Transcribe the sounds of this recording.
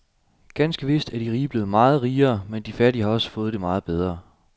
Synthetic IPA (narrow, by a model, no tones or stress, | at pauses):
ɡ̥ænsɡ̥əʋe̝sd̥æɐd̥iʁiːb̥le̝ːð̩ˠmɑ̈ːð̞̩ˠʁiːɐːmend̥ifæɐɾihɑ̈ɒ̽sə̥fɔ̽ːð̞̩ˠd̥emɑ̈ːð̩ˠb̥eð̞ˠʁɐ